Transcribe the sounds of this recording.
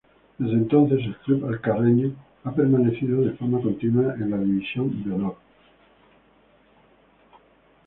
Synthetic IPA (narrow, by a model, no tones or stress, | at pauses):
d̪ezðẽnt̪onθes̬elklupalkareɲo | apeɾmaneθiðoðefoɾmakont̪inwaʔenlaðiβisjond̪enoɾ